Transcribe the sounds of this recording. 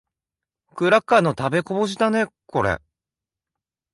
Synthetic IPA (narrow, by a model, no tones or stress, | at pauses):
kɯ̟ɾakːanːo̞t̪abe̞ko̞boɕ̬id̪ane̞ko̞ɾḛ